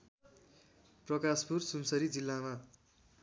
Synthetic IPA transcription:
prʌkaspursumsʌɾid͡zilːama

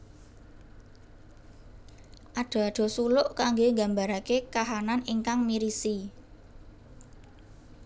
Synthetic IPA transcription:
ʔaɖ̥ɔ̤aɖ̪̥ɔ̤sulʊʔkaŋɡeŋɡa̤mbaɾakekaɦananiŋkaŋmiɾisi

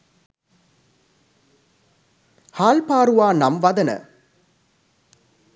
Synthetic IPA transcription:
haːlpaːɾuʋaːnɐmʋɐd̪ɐnə̰

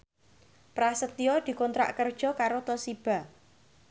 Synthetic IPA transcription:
pɾasət̪iɔd̪̥i̤kɔnt̪ɾa̰ʔkərd̥ʒ̥ɔ̤kaɾot̪ɔsib̥a̤

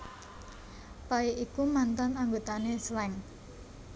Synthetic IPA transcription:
paiʔikumant̪anaŋɡot̪anesəlɛŋ

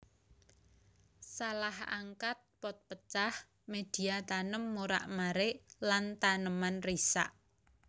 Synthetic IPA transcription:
salaha̰ŋkat̪̚pɔt̪̚pət͡ʃah | med̪̥iat̪anəmːoɾa̰ʔmaɾɪʔlant̪anəmanrisa̰ʔ

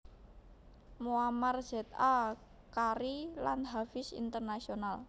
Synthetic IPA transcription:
moamarz̥ɛt̪a | kaɾilanɦafɪsḭnt̪ərnasional

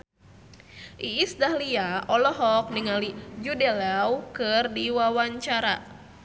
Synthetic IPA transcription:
ʔiːsdahliaɔlɔɦɔk̚niŋalid͡ʒudɛlɛwkɨrdiwawaɲt͡ʃaɾa

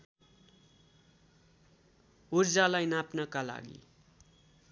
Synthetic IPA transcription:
urd͡zalajnapnʌkala̰ɡḭ

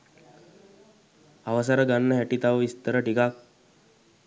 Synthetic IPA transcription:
aʋəs̬aɾəɡanːəɦɛʈit̪aʋəist̪əɾəʈikak̚

